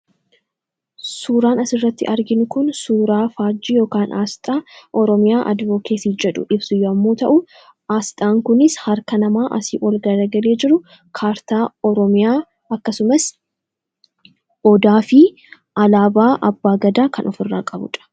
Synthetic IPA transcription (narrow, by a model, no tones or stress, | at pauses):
suːɾaːnɐsɪrːɐt̪ːɪ̰ʔɐɾɡɪnʊkʊnsuːɾaːfaːd͡ʒːiːjo̞ːkaːnʔaːst̪ʼaːʔɔɾɔmɪjaːʔɐ̰d̪voːkʰeːsiːd͡ʒɛᶑʊ̰ʔɪbsʊjɔɐmːoːt̪ɐ̰ʔʊ | ʔaːst̪ʼaːŋkʊnɪshɐɾkɐnɐmaːʔɐsɪːʔɔlɡɐɾɐɡɐle̞ːd͡ʒɪɾʊ | kʰaːɾt̪aːɔɾɔmɪjaː | ɐkːɐsʊmɐs | ʔɔd̪aːfɪ | ʔɐlaːbaːʔɐbːaːɡɐd̪aːkɐnɔfɪrːaːkʼɐbʊ̰ᶑɐ̥